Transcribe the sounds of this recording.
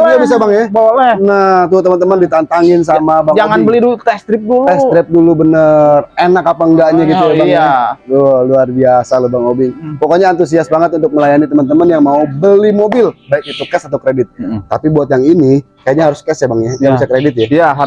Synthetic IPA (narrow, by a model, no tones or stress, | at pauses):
ɡabis̬abaŋjabawalɛnat̪ut̪əmənt̪əməndit̪ant̪aŋɪns̬amabaŋd͡ʒaŋanbəliduut̪ɛst̪ɾɪp̚duluɛsst̪ɾɪp̚dulubənərenakapaŋɡaʔɲaɡit̪ujabaŋaloluarbiasalobaŋobɪŋpokoɲaːnt̪us̬iasbaŋət̪unt̪ʊk̚məlajanit̪əmənt̪̬əmənjaŋmaubəlimobɪlbaɪk̚it̪ukɛsat̪awkɾedɪt̪̚t̪ːapibuat̪̬̚jaŋini | kajaʔɲaɦaɾʊskɛsjabaŋjaabisakɾedɪt̪̚jajaɦ